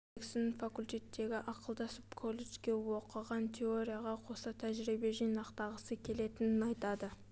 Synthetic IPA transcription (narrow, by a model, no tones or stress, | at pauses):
kʲsɪnɪnfakulʲt̪ʲe̞t̪ːe̞ɡʲɪʔɑqəlˠd̪ɑsəpkʰo̞lˠːe̞t͡ʃkʲe̞wo̞qəʁɑnt̪ʲʰe̞o̞ɾʲijaʁɑqʰo̞sɑt̪ʰæʒɾibe̞ʒijnɑqt̪ɑʁəsəkʲʰe̞le̞t̪ɪnɪnɑjt̪ɑd̪ə